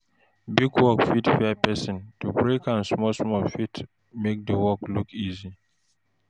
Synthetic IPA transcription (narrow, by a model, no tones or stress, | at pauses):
biɡwɔkfitfɛpɛsɪ̃ntubɹekãnsmɔlsmɔlfit | mek̚dəwɔklukʰizi